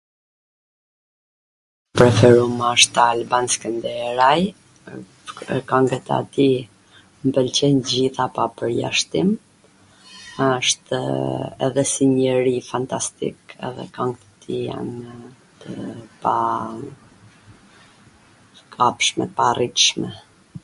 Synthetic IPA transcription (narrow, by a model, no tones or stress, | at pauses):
pɾɛfɛɾuməʃt̪albanskənd̪ɛɾaj | kaŋɡət̪a̰t̪i | mbəlt͡ɕɛnd͡ʑiθapapəɾja̰ʃt̪im | əʃt̪ | ɛ̰ðɛsiɲəɾifant̪ast̪ḭkɛ̰ðɛ̰kaŋɡt̪ət̪ʰija̰nt̪əpa | kʰapʃmɛ̰t̪əparit̪ʃmɛ